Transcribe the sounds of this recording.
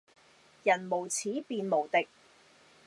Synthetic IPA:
jɐ˨˩nmo˨˩wt͡sʰiː˨˥piː˨˧nmo˨˩wt̪ɪ˨k̚

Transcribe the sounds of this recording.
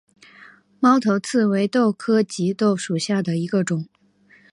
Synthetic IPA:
mɑ˥ʊt̪ʰo˧˥ʊt͡sʰɹ̩˥˩we˧˥ɪt̪o˥˩ʊkʰɤ˥t͡ɕi˧˥t̪o˥˩ʊʂu˨˩ɕja˥˩d̪ə˩i˧˥ɡə˧ʈ͡ʂʊ˨˩˦ŋ

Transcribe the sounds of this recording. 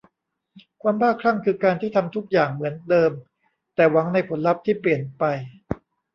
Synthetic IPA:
kʰwaː˧mbaː˥˩kʰɾa˥˩ŋkʰɯː˧kaː˧nt̪ʰiː˥˩t̪ʰa˧mt̪ʰu˦˥k̚jaː˨˩ŋmɯ˩˦əndɤː˧m | t̪ɛː˨˩wa˩˦ŋna˧jpʰo˩˦nla˦˥p̚t̪ʰiː˥˩pli˨˩ənpa˧j

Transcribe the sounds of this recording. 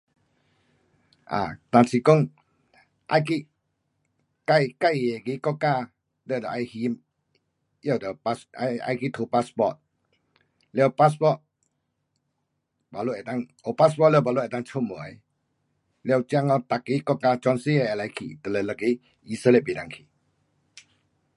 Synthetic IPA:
ʔa̰ː˨t̪a˨˧˨nsi˧ko˥˨ŋ | ʔa̰˧jki˦ʔ | ka˧jka˦˨je˨ki˦kɔ˦ka˧˨ | lɛ˧˩˨də˨ʔa˧jhi˧m | jɛ˧˨wdə˨pa˧a˧a̰˧jki˦t̪ʰo˧pa˧spɔ˧˨t̚ | lɛ˧˨wpa˦spɔ˦˨t̚ | ba˨lo˧ʔɛ˨ta˧˨ŋo˨pa˦spɔ˦˨lɛ˧˨ba˨lo˦˨ɛ˨ta˧ŋt͡ʃʰo˧˦mo˨˦ | lɛ˧wt͡ʃi˧a˧ŋɔ˧t̪a˨kːi˧˦kɔ˦˧ka˧t͡ʃɔ˧nsi˦ɛ˧ɛ˨la˨˧˦jkʰḭ˨t̪ə˨lə˨lə˧ki˧˦ | i˧sə˦le˧˨bi˨da˨ŋkʰi˨

